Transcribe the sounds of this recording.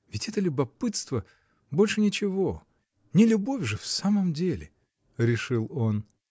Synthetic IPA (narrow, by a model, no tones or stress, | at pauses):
vʲɪtʲɛt̪əlʲʊbɐpɨt̪st̪və | bo̞lʲʂɨnʲɪt͡ɕɪvo | nʲɪlʲʊbo̞fʲʐɨfsaməmdʲelʲɪ̰ | ɾʲɪʂɨlˠo̞n